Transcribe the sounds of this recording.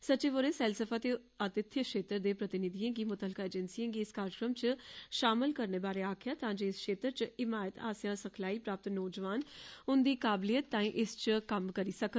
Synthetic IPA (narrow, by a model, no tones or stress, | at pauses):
sət͡ʃeːʋoɾeːsɛːlsəfʰaːt̪eː | ət̪ɪt̪ʰːjəkʃeːt̪əɾd̪eːpɾət̪ɪnɪd̪iːãːɡiːmʊt̪əlkaːeːd͡ʒənsiãːɡiɪskaːɾɪkɾəmt͡ʃʃaːmɪlkəɾneːbaːɾeːaːkʰjaːt̪ãːd͡ʒoːɪskʃeːt̪əɾt͡ʃɪmaːjət̪a̰ːsjãːsəkʰlaːiːpɾaːp̚t̪nɔːd͡ʒʋaːnʊnd̪iːkaːblijət̪ːãːĩːʔɪst͡ʃkəmkəɾiːsəkə